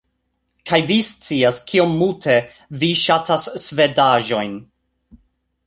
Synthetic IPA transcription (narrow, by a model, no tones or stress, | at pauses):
kʰajvist͡siaskʰio̞mːultʰe | viʃatʰasːve̞daʒo̞jn